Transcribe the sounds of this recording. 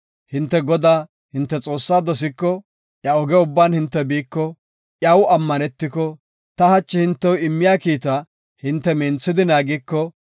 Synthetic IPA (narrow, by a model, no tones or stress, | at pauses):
hɪnt̪ːɛɡɔd̪aː | hɪnt̪ːɛt͡sʼo̞ːsːaːd̪ɔs̬ɪkːɔ | ʔjɐɔɡɛʊbːaːnhɪnt̪ːɛbiːkːɔ | ʔjɐwɐmːɐnɛt̪ːɪkɔ | t̪ɐhɐt͡ʃːɪhɪnt̪ːɛwɪmːɪjaːkiːt̪ɐ | hɪnt̪ːɛmɛːnt͡sːɪd̪ɪnaːɡɪkːɔ